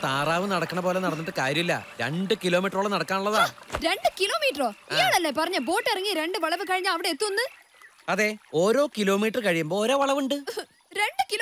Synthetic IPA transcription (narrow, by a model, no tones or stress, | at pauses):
t̪aːraːʋɨnɐɽɐkːɐɳɐpo̞ːle̞nɐɽɐnːɐðɨkaːɾjɐmilːɐ̰ɾe̞̰ɳɖɨkilo̞ːmiːʈːroːɭɐnɐɽɐkːaːnuɭːɐðaːɾe̞ɳɖɨkilo̞ːmiːʈːroːijaːɭɐlːepɐrɐɲːɐbo̞ːʈːɐrɐŋːiɾe̞ɳɖɨʋɐɭɐʋɨkɐɻiɲːaːɐʋiɽeet̪ːuʋɐnːɨ | ɐðe̞oːɾo̞ːkilo̞ːmiːʈːrɨkɐɻijumboːoːɾo̞ːʋɐɭɐʋuɳɖɨ | ɾe̞ɳɖɨki